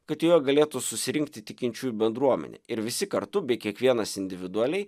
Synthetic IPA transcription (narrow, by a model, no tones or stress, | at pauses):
kɐt̪joːɡɐlʲeːt̪usʊsʲɪɾʲɪŋkt̪ʲɪt̪ʲɪkʲɪnʲt͡ʃʲuːjbʲɛnd̪ɾuɔmʲɛ̰nʲḛːɪɾʋʲɪsʲɪkɐɾt̪ʊbʲɛɪkʲiɛkʋʲiɛnɐsɪnʲd̪ʲɪʋʲɪd̪ʊɐlʲɛɪ